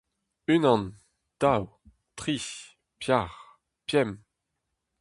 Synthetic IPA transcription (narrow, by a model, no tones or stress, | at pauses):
ynɑ̃n | d̪̥aw | t̪χi | pjaʁ | pjɛm